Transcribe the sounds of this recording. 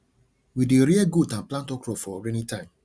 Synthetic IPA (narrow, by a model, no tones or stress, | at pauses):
wideɾiɛɡudãnplãntɔkɾɔfɔɔɡɾɛnĩtãɪ̃m